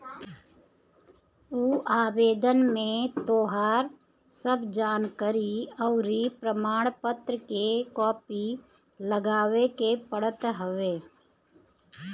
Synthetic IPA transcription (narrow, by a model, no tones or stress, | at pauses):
uːaːbeːd̪ənmẽt̪oːɦaːɾ | səbd͡ʒaːnkəɾiəʊɾipɾəmaːɽ̃pət̪ɾəkekɔːpi | ləɡaːʋekepəɽət̪ɦəʋeː